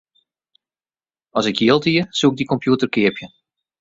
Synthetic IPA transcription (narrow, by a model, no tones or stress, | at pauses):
ɔsɪkjiəlˠtiəsuɪɡ̚dikɔmpjuətərkɪəpjə